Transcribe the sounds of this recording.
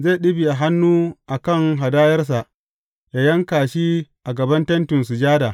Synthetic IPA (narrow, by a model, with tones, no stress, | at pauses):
ze˦˨ɗɪ˦bi˨ʔa˨ɦa˦nːuː˦ʔa˨kɐ˦˨ŋɦa˨daː˦jɐ˦rs̬a˨ʔ | jaː˨jɐ˦ŋkaː˨ʃiː˦ʔa˨ɡɐ˨bɐ˦ntɐ˦ntɪ˨nsu˨d͡ʒaː˦daː˨